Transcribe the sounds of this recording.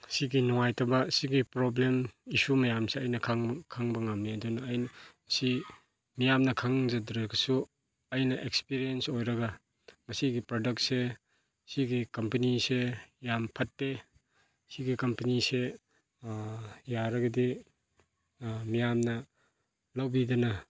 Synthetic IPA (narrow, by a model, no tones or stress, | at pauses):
siɡinɔŋajtʰɐbɐsiɡipɾoblemisumɐjamseɐjnɐkʰaŋkʰaŋbɐŋamniɐdunɐːjn | si | mijamnɐkʰaŋzɐdɾɐɡɐsu | ɐjnɐʔekspiɾiensojɾɐɡɐ | mɐsiɡipɾodɐk̚t̚se | siɡikɐmpɐnisejampʰɐtːe | siɡikɐmpɐnise | jaɾɐɡɐdi | mijamnɐ | lɐwbidɐnɐ